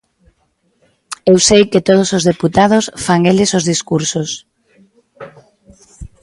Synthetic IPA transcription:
ewsejkɪt̪oð̞osozðeput̪að̞osfaŋelɪsozðiskuɾsos

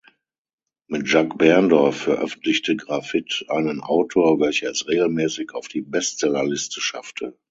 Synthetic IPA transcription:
mɪtʒ̥akb̥ɛɐndɔɐfːɛɐʔœfn̩tlɪçtəɡʁafɪtʔaɪnənʔa̰ʊtʰoːɐvɛlçəɛsʁeːɡl̩mɛːsɪçaʊfd̥iːbɛst͡sɛlalɪstʰəʃaftʰə

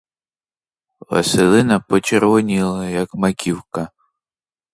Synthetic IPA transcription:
ʋɐ̰sɪlˠɪnɐpɔt͡ʃɛɾʋɔnʲilˠɐjɐkmɐkʲiwkɐ

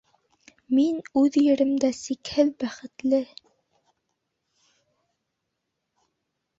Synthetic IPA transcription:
minʉðjɘ̆ɾɘ̆md̪æsikhɘlbæχɘ̆t̪lɘ

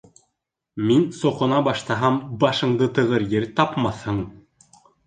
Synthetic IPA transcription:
minsŏqɤ̆nɑbɑʃt̪ɑɦɑmbɑʃɤ̆ɴd̪ɤt̪ɤ̆ʁɤɾjɘɾt̪ɑpmɑθhɤɴ

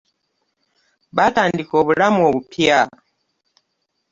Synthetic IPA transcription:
batandikɔβulamɔβupʰja

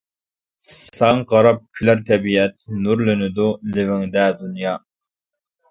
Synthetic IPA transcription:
sɑŋʁɑɾɑp̚kʲʰylæɾt̪ʰɛbiɛt̪̚nuɾlynɪd̪ulɪvɪŋd̪ɛd̪unjɑː

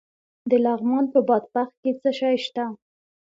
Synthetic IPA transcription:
d̪əlɑɣmɑnpəbɑd̪̚baxt̪̚ket͡səʃɑjʃt̪a

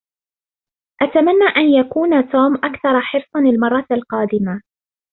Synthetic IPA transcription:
ʔat̪amanːaːʔanjakuːnat̪uːmʔakθɑɾˤɑħɪɾsˤɑnɪlmɑrˤːɑalqɑːd̪ɪma

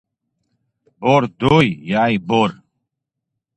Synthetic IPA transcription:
boːɾd̪oːjjaːiboːɾ

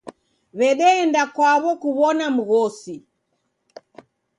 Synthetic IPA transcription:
βɛɗɛːndakwaβɔkuβɔnam̩ɣɔsi

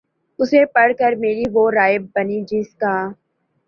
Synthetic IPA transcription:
ʊsepɐɽkəɾmeːɾiʋoːɾaːɪbːɐnid͡ʒɪskaː

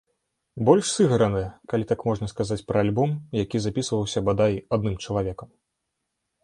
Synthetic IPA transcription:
bɔlʲʂsɨɣɐɾɐnɨjɛkalʲit̪akmɔʐnɐskazat͡sʲpɾɐalʲbɔmjakʲizapʲisvɐwsʲɐbad̪ajad̪̚nɨmt͡ʂɐlˠavʲɛkɐm

